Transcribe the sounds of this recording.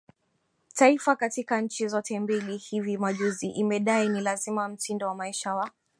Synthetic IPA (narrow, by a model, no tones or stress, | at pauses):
taifakatikaɲ̩t͡ʃizɔtɛmbilihivimaʄuziʔimɛɗainilazimam̩tindɔwamaiʃawa